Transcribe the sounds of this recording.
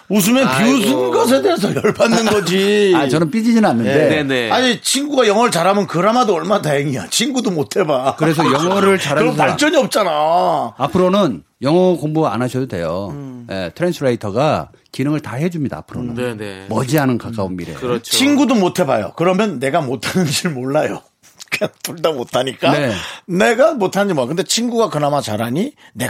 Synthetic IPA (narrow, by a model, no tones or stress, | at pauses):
mus̬ʰumenpisʰɯnɡas̬ʰedeːs̬ʰʌjʌɭbanːɯnɡʌd͡ʑiat͡ɕʌnɯnp͈id͡ʑid͡ʑinɯnanːɯnde̞aɲit͡ɕʰinɡuɡajʌŋɦʌɾɯɭt͡ɕaɾɦamjʌnkɯɾamadoʌɭmaataɦeŋija̰t͡ɕʰinɡudomotʰe̞bakɯɾe̞s̬ʰʌjʌŋʌɾɯɭt͡ɕaɾaɯɾʌmpaɭt͡ɕ͈ʌɲiʌp̚t͡ɕ͈anaapʰɯɾonɯn | jʌŋʌkoŋboɡaa̰nɦaɕʰʌdode̞̰jojḛtʰɯɾensʰɯɾeitʰʌɡa | kinɯŋɯɭtaɦe̞d͡ʑumɲida̰ːpʰɯɾo̰nɯ̰nmʌd͡ʑianɯnkak͈aunmiɾejoɯɾt͡ɕt͡ɕʰinɡudomotʰe̞ba̰jo̰kɯɾʌmjʌnːe̞ɡamotʰanɯnd͡ʑiɭmoɭːajo | kɯɲaŋt͈uɭdamotʰaɲik͈ane̞ne̞ɡamotʰanɯɲd͡ʑimoakɯndet͡ɕʰinɡuɡakɯnamat͡ɕaɾaɲi | ne̞